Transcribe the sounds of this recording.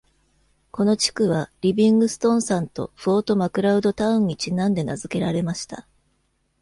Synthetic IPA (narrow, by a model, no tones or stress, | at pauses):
ko̞no̞t͡ɕi̥kɯ̟βaɾʲibʲĩŋɡɯ̟sɨ̥t̪õ̞ɰ̃sãnt̪o̞̰ɸɯo̞ːt̪o̞makɯ̟ɾaɯ̟d̪o̞t̪aɯ̟̃ɲ̟ːit͡ɕinãnd̪e̞nazɨke̞ɾaɾe̞maɕi̥t̪a